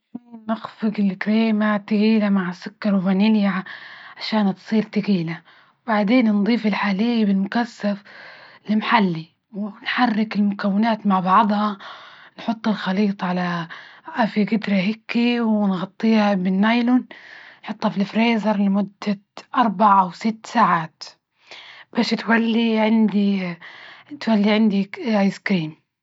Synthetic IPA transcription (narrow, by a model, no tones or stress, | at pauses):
nɪxfɪɡɪlkɾiːmat̪ɪɡiːlamaʕsʊkːɑɾˤwbanɪljaʕaʃaːnt̪sˤiːɾt̪ɪɡiːla | baʕd̪eːnnd̪ˤiːfɪlħaːlijbɪlmʊkasːaflɪmħalːi | wɪnħarːɪkɪlmʊkawːɪnaːt̪maʕbɑʕd̪ˤhɑnħʊt̪ˤːlxɑliːt̪ˤʕalaʔafiɡɪd̪ɾaɦɪkːiwɪnɣɑt̪ˤːiːhabɪnːajlʊnnħʊt̪ˤːhɑfilfɾeːzɑɾˤlɪmʊd̪ːaʔɑɾˤbaʕaʔawsɪt̪ːsaːʕaːt̪ | b̥aːʃt̪walːiʕɪnd̪i | t̪walːiʕɪnd̪iajskɾiːm